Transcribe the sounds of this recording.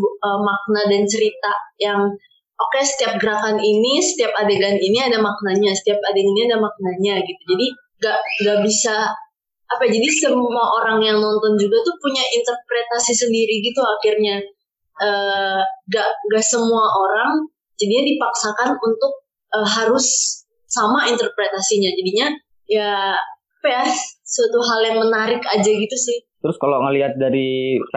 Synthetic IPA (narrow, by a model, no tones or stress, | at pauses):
əmak̚nadant͡ʃəɾit̪ajaŋ | okesə̥t̪iap̚ɡəɾakaninisə̥t̪iapadeɡaniniadamak̚naɲasə̥t̪iap̚adeŋiniadamak̚naɲaɡit̪ud͡ʒadi | ɡaʔŋɡaʔbisa | ʔapad͡ʒadisəmuaʔoɾaŋjaŋnɔnt̪ɔnd͡ʒuɡat̪upuɲaʔint̪ərpɾet̪asisəndiɾiɡit̪uakirɲa | ʔəːɡaʔŋɡaʔsəmuaʔoɾaŋ | d͡ʒadiɲadipaksakanunt̪ʊk̚ | ʔəɦaɾʊsː | amaint̪ərpɾet̪asiɲad͡ʒadiɲa | ja | apajasuat̪uɦaljaŋmənaɾɪkad͡ʒaɡit̪usɪht̪əɾʊskaloŋəliɦat̪̚daɾi